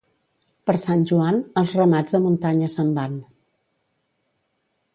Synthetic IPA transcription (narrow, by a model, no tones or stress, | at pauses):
pəɾsanʲʒuanəlˠzrəmad͡zðəmunt̪aɲəsəmban